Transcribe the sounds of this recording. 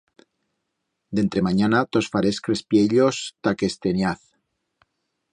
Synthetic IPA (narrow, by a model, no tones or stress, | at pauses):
d̪ent̪ɾemaɲanat̪osfaɾeskɾespjeʎost̪ake̞st̪enjaθ